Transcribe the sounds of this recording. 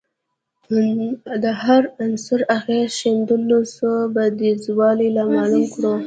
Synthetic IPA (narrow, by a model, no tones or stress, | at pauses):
d̪əhaɾansʊɾaxezʃind̪əlosobad̪izwɑlilamɑlumkɽu